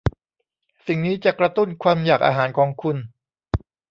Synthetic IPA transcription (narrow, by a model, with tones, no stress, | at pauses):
si˨˩ŋniː˦˥t͡ɕa˨˩kɾa˧t̪u˥˩nkʰwaː˧mjaː˨˩k̚ʔa̰ː˧ɦaː˩˦nkʰɔː˧ŋkʰu˧n